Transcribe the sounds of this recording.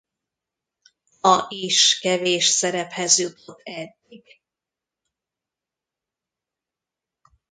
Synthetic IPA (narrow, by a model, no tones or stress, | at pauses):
ɒʔiʃkɛveːʃsɛɾɛphɛzjut̪ʰot̪ːɛd̪ːiɡ̥